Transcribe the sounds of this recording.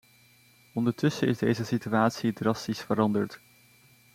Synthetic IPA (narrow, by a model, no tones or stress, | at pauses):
ɔndəɹtɵsəɪ̰zdejzəsityaːtsidrɑstisfəɾɑndəɹt